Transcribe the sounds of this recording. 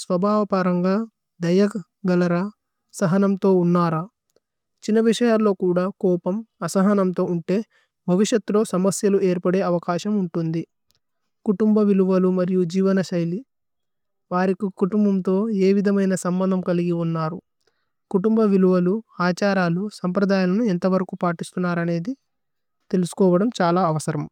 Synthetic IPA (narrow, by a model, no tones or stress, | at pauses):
sʋɐbʱaːʋɐpɐɾɐŋɡaː | d̪ɐjɐ | ɡɐlɐɾɐ | sɐɦɐnɐmt̪o̞ːunːaːɾaː | t͡ʃinːɐʋiʂɐjaːlːo̞ːkuːɽaːkɔːpɐmɐsɐɦɐnɐmt̪o̞ːuɳʈe̞ː | bʱɐʋiʂjɐt̪ːlo̞ːsɐmɐsjɐlue̞ːɾpɐɽe̞ːɐʋɐkaːʃɐmuɳʈund̪i | kuʈumbɐʋiluʋɐlumɐɾijud͡ʒiːʋɐnɐʃɐjli | ʋaːɾikikuʈumbɐmt̪o̞ːe̞ːʋid̪ʱɐmɐjnɐsɐmbɐnd̪ʱɐmkɐliɡiunːaːɾu | kuʈumbɐʋiluʋɐluaːt͡ʃaːɾaːlusɐmpɾɐd̪aːjalɐnuent̪ɐʋɐɾɐkuːpaːʈist̪unːaːɾɐne̞ːd̪i | t̪e̞lusu̥kɔːʋɐɽɐmt͡ʃaːlaːɐʋɐsɐɾɐm